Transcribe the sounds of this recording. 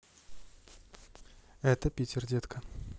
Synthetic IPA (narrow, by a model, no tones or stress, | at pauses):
ɛt̪əpʲitʲɪrdʲet̪kʰə